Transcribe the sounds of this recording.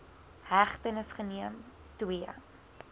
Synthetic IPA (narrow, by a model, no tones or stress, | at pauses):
hæχtənəsχəniəm | twiə